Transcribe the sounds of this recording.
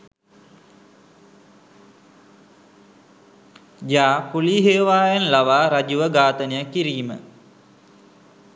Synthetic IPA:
jaːpuliːɦejʋaːjanlaʋaːɾad͡ʒuʋəɡaːt̪ənejakːiɾiːmə̰

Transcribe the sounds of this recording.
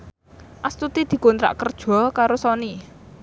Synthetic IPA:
ʔast̪ut̪id̪̥i̤kont̪ɾa̰ʔkərd̥ʒ̥ɔ̤kaɾosɔni

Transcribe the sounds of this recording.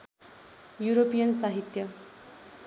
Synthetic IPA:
juɾopijʌnsaɦit̪jʌ

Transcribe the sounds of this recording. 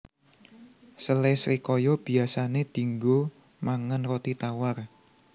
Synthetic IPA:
səlesɾikɔjɔb̥i̤asaned̪̥i̤ŋɡo | maŋanrɔt̪it̪awar

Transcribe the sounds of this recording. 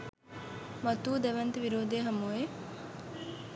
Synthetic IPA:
mɐt̪uːd̪ɛʋɐnt̪əʋiɾoːd̪eːɦɐmue

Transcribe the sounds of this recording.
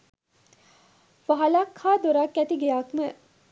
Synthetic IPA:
ʋaɦɐlaːkʰhaːd̪oɾakːæt̪iɡejaːkmə

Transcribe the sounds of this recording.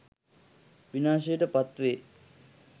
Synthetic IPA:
ʋinaːʃ̬ejəʈəpat̪ʋeː

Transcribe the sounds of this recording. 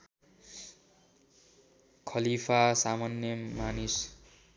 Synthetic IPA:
kʰʌlipʰasamanjʌmanis

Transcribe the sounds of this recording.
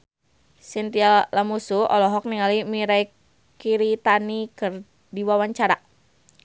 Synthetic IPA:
sint̪ialamusuɔ̰lɔɦɔk̚niŋalimiɾaj | kiɾit̪anikər | diwawaɲt͡ʃaɾa

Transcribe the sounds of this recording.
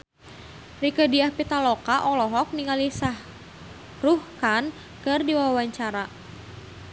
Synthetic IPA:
rikədiahpit̪alɔkaʔɔlɔɦɔk̚niŋalisah | ruhkan | kɨrdiwawaɲt͡ʃaɾa

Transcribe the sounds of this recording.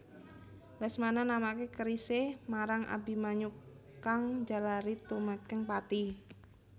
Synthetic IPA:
lasmananamakekəɾisehmaɾaŋʔa̰bi̤maɲu | kaŋd͡ʒalaɾit̪umətkəŋpat̪i

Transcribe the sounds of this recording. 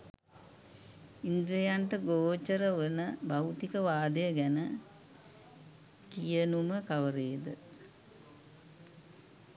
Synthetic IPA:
ind̪ɾejaɳʈəɡoːt͡ʃəɾəʋənəbawt̪ikəʋaːd̪əjəɡænə | kijənuməkaʋəɾeːd̪ə

